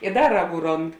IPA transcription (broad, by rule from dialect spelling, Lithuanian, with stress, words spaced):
ɪ ˈdɐ ˈrɑːˌɡuː ˈroːnt